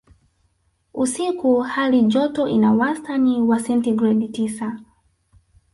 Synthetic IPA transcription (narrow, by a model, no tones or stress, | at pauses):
usikuhalid͡ʒɔtɔʔinawastaniwasɛntiɡɾɛditisa